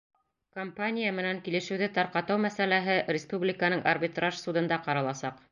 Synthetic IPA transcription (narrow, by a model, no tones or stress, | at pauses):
kompanʲijamɘ̆næŋkilɘ̆ʃɘ̆wðɘt̪ɑɾqɑt̪ɑwmæsælæɦɘɾʲɪspublʲɪkənɤɴʔɐrbʲit̪raʃsud̪ɤ̆nd̪ɑqɑɾɑlˠɑsɑq